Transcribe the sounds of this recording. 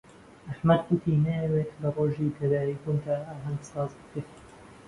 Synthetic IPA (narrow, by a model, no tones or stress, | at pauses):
ɐħmɐd̪kut̪ʰinɐjɐwet̪bɐrˤoːʒit̪ʰɐd̪aːɾiːkunt̪ʰaaːɦɐnd̪sɑːzbɨkɾeːt̪